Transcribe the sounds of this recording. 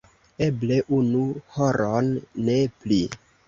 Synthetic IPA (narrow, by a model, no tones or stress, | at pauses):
e̞ble̞ʔunuhoɾonːe̞pli